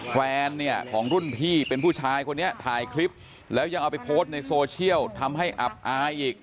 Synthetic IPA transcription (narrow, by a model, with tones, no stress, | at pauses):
fɛː˧nːi˥˩ɐkʰɔː˩˦ŋɾu˥˩npʰiː˥˩pe˧npʰuː˥˩t͡ɕʰaː˧jkʰo˧nːi˦˥ɐt̪ʰaː˧jkʰli˦˥p̚ | lɛː˦˥wja˧ŋʔa˧wpa˧jpʰoː˦˥st̪̚na˧jsoː˧t͡ɕʰi˥˩əwt̪ʰa˧mɦa˥˩jʔa̰˨˩p̚ʔaː˧jʔiː˨˩k̚